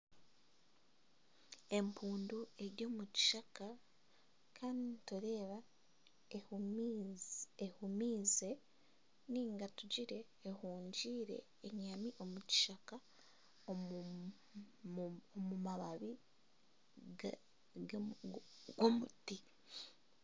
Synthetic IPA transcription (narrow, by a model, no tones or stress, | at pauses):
e̞mpʰuːndue̞ɾɟo̞ːmuci̥ʃaka | kʰaːndituɾe̞ːβa | ehumiːze̞ | niːŋɡatuɟiɾe̞ːhuːɲɟiːɾe̞̰ːɲamiʔo̞muci̥ʃaka | omumaβaβi | ɡomuti